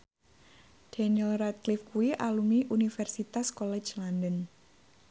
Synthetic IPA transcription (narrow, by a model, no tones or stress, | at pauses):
d̥ɛniəlrɛt̪̚klifkuiʔalumiʔunifɛrsit̪askolɛ̥t͡ʃlandən